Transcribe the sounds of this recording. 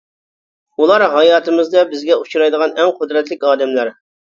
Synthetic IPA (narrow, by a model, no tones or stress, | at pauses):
ulˠɑɾɦɑjɑːt̪ʰɨmɨzd̪ɑbɪzɡʲɛut͡ʃʰuɾɑjd̪əʁɑnɛŋqʰʊd̪ɾɛt̪lɪkʲɑːd̪ɛmlæɾ